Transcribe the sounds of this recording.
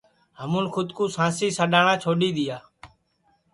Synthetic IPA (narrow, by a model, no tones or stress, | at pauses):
ɦəmũːnkʰʊd̪kuːsãːsiːsəɗaːɳãːt͡ʃʰoːɗiːɗ̪ɪjaː